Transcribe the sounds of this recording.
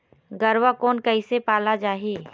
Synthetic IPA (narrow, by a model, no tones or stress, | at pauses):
ɡəɾwakɔːnkəɪsepaːlad͡ʒaːɦiː